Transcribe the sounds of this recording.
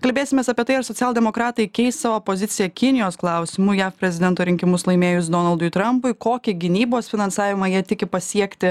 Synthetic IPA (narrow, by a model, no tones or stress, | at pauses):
kɐlʲbʲeːsɪmʲeːsɐpʲiɛt̪ɐɪɐɾsoɔt̪ʲɛlˠʲd̪ʲɛmoːkɾɑːt̪ɐɪkʲɛɪst̪sɑʋoːpoːzʲɪsʲɪjɛkʲɪnʲɪjoːsklˠɑˑʊsʲɪmʊjæːfpʲɾʲɛzʲɪd̪ʲɛnt̪oːɾʲɪŋʲkʲɪmʊslˠɐɪmʲeːjʊs̬d̪oːnɐlˠd̪ʊɪt̪ɾɐmpʊɪkoːkʲɪɡʲɪnʲiːboːsfʲɪnɐnsɑːʋʲɪmɑjiɛt̪ʲɪkʲɪpɐsʲiɛkt̪ʲɪ